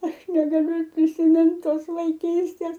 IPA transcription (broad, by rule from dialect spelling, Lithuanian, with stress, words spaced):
ˈɐʃ nʲɛɡɐˈlʲʊ ɪr pʲrʲɪsʲɪˈmʲɪnt ˈtoːs ʋɐɪˈkʲiːsʲtʲeːs